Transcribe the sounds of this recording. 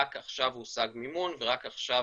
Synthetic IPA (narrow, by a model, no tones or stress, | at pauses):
akaχʃavhusaɡmimunveʁakaχʃa